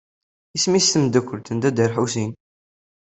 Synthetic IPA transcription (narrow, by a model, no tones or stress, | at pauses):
ismist̪əmd̪ækʷːəlt̪ənd̪æd̪əɾħusin